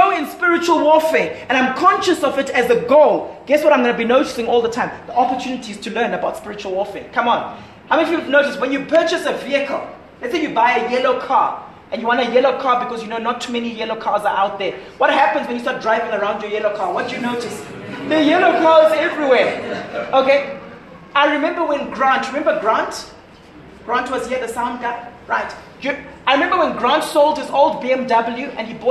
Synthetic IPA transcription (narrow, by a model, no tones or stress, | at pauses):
oɪ̃nspɪɹɪt͡ʃuwəlˠwɔfɛɛ̃ñãɪ̃mkʰɔ̃nʃəsɔvɪtɨzəɡoʊlɡ̥ɛswɔɾãɪmɡɔnəbinoʊtɪ̥sɪ̃ŋɔlˠðətʰãɪ̃mðiɔpətʰjunɪtʰiz̥tʰulɜ̃ːnəbaʊtspɪɹɪt͡ʃuəlˠwɔfɛːkʰãmə̃n | haʊmĩfjuvnoʊtɪswɛ̃njupʰɜːˑt͡ʃəsəviəkʰəlˠ | lɛtseɪjubaɪəjɛloʊkʰɑ̰ː | ʔɛ̃njuwɔ̃ntəjɛloʊkʰaːbikɔzjunonɔtʰːumɛnijɛloʊkʰazəʔaʊt̚ðɛwɔt̚ɦæpə̃nzwɛ̃njustat̚dɹaɪvɪ̃ŋəɹãʊ̃ndjɔjɛlokʰaːwɔt̚d̥ɨjunoʊtɪs | ðəjɛloʊkʰazɛvɹiwɛːoke | aɪɹimɛ̃mbəwɛ̃nɡɹãntɹimɛ̃mbəɡɹãnt | ɡ̥ɹãntʰwɔz̥hiəðəsãʊ̃nd̚ɡaɪɹaɪt | juaɪɹimɛ̃mbəwɛ̃nɡɹãntsoʊlˠdhizoʊlˠdbiɛ̃mdʌbəl̩juɛ̃nibɔ